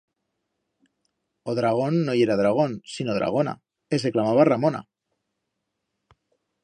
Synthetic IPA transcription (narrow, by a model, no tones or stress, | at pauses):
oðɾaɣ̞o̞nːoje̞ɾaðɾaɣ̞o̞nsino̞ðɾa̰ɣ̞o̞na̰ | es̬e̞klamaβaramo̞na̰